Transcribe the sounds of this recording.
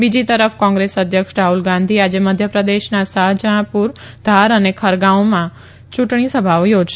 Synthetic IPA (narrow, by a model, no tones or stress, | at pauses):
bid͡ʒit̪əɾəfkɔ̃ŋɡɾesəd̪ʱjəkʃɾaɦulɡãnd̪ʱiad͡ʒeməd̪ʱjəpɾəd̪eʃnasaɦd͡ʒəɽ̃puɾd̪ʱaɾənekʰəɾɡãomã | t͡ʃuʈɳ̃isəbʱaʋjod͡ʒʃe